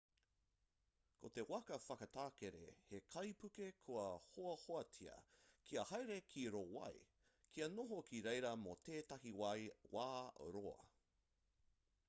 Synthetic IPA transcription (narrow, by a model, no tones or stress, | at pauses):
kʰot̪ewɐkɐfɐkɐt̪aːkeɾḛhekʰɐjpʉkekʰoɐhoɐhoɐt͡sʰiɐ̰kʰiɐhɐjɾekʰiɾowɐ̰j | kʰiɐnoɦokʰiɾejɾɐmot̪eːtɐɦiwɐjwʔaːɾoɐ̰